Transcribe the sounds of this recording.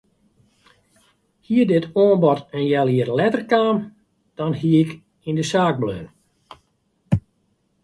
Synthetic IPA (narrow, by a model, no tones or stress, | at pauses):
hiədɪtoənbɔtənjɛlˠiərlɛtərkaːn | d̥ɔnhiəɪk | indəsaːɡ̚bløːn